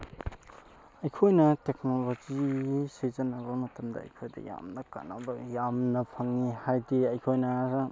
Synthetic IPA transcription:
ɐjkʰojnɐtek̚nolod͡ʒisizɐnɐbɐmɐtɐmdɐ̰ɐ̰jkʰojdɐ̰ja̰mnɐka̰na̰bɐjamnɐpʰɐŋːihajdiɐjkʰojnɐza

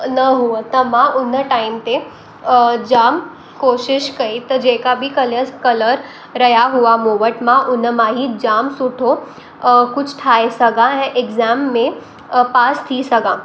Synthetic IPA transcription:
nəɦuət̪əmãʔʊnːəʈaimt̪e | d͡ʒaːm | koʃɪʃkəit̪əd͡ʒekabʱikələkələɾ | ɾəjaɦuamoʋəʈmãʔʊnːəmãɦid͡ʒaːmsuʈʰo | kʊt͡ʃʰʈʰaesəɡaɦɛ̃ʔeɡzamːẽ | paːst̪ʰisəɡã

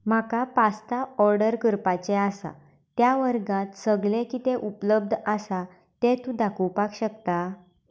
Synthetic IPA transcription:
m̤akapast̪aɔɾɖəɾkəɾpat͡ɕeasa̰ | t̪jaʋəɾɡãt̪səɡlẽkiːt̪eʔupləb̚d̪ʱəsa | t̪et̪ũd̪akuwpakɕək̚t̪a

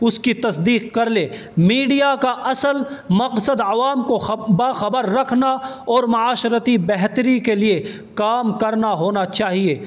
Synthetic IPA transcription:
ʊskit̪ɐsd̪iːqkɐɾleː | miːɖijakaʔɐsəlmɐqsəd̪ɐʋaːmkobaːxɐbəɾːɐkʰnaɔːɾmɐaːʃɾət̪ibɛɦt̪əɾikelie | kaːmkɐɾnaɦoːnat͡ʃaːɦieː

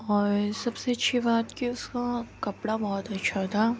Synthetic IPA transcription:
ɔːɾsɐbseɐtːʃʰibaːt̪kiʊskakɐpɽabɔːɔt̪ɐtːʃʰat̪ʰaː

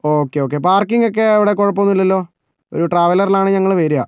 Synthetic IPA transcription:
o̞ːkːe̞o̞ːk̬ːe̞paːrkːiŋɡok̬ːe̞ɐʋiɽekoɻɐp̬ːonːilːɐlːo̞ː | o̞̰ɾuʈraːʋɐlɐrilaːɳɨɲɐŋːɐɭʋeːɾujaː

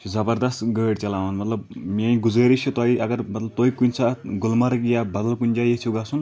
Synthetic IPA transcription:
t͡ʃʰuzɐbɐɾd̪ɐst̪ɡəːɽt͡ʃɐlaːmɐnmɐt̪lɐbmeĩɡud͡zəːɾit͡ʃʰut̪ɔiʔɐɡɐɾmɐt̪lɐb̚t̪oikunʲt͡sʰaɡulmɐɾɨkjabɐd̪ɐlkunʲd͡ʒajet͡ʃʰuɡasun

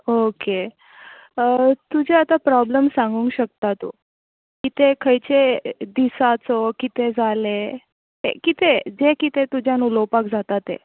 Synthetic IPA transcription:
oke | t̪ud͡ʑʱeat̪apɾɔbləmsãŋɡuːŋkɕək̚t̪at̪ṵ | kit̪ekʰəjt͡ɕed̪isat͡sɔkit̪ed͡zale | tḛkit̪ed͡zekit̪et̪ud͡ʑʱjanulɔpak̚d͡zat̪at̪ḛ

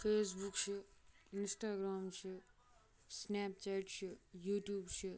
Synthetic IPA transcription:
pʰeːsbukt͡ʃʰiinsʈaːɡɾaːmt͡ʃʰi | snapt͡ʃajʈt͡ʃʰijuʈjuːbt͡ʃʰi

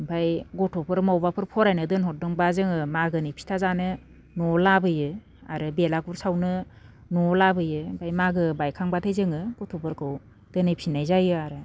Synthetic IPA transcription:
bʱajɡɔtʰɔpʰɯɾmawbapʰɯɾpʰɔɾajnɯdɯnɦɔt̚dɯŋbazɯŋɯmaɡɯnɯpʰi̥tʰazanɯ | nɔlabɯjɯ | a̰ɾɯbelaɡuɾsawnɯ | nɔlabɯjɯbʱajmaɡɯbajkʰaŋbatʰajzɯŋɯɡ̥ɔtʰɔpʰɯɾkʰɯw | dɯnɯjpʰinajzajɯaɾɯ

